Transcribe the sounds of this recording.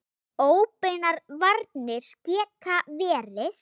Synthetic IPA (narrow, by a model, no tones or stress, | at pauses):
oːwpɪnaɾvaɾt̪nɪɾ̥cɛːkʰavɛːɾɪθ